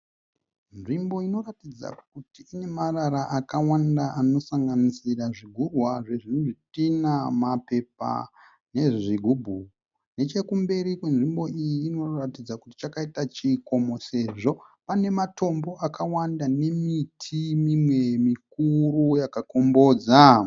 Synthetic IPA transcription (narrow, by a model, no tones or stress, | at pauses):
nʐimbo̞ino̞ratid͡za̰kutiːne̞maraɾaʔakawandaʔano̞saŋɡanisiraʐiɡʱurwaʐe̞ʐinoʐitinamape̞p̚a̰ | ne̞ʐiɡʱubʱu | ne̞t͡ʃe̞kumbe̞ɾikwenʐimbo̞ijiːno̞ratid͡zakuti̥t͡ʃakaitat͡ʃiːko̞mo̞se̞ʐo̞pane̞mato̞mbo̞ʔakawandane̞mitʰimimwe̞mik̚urujakako̞mbo̞ːd͡za